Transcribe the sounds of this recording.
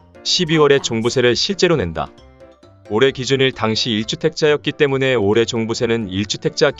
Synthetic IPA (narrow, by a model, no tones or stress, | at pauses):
ɕʰibiwʌɾe̞t͡ɕoŋbusʰe̞ɾɯɭɕʰiɭt͡ɕ͈e̞ɾone̞nda̰ | oɾe̞kid͡ʑuniɭtaŋɕʰiːiɭt͡ɕʰutʰe̞k̚t͡ɕ͈ajʌk̚k͈it͈e̞mune̞oɾe̞t͡ɕoŋbusʰe̞nɯniɭt͡ɕʰu̥tʰe̞k̚t͡ɕ͈ak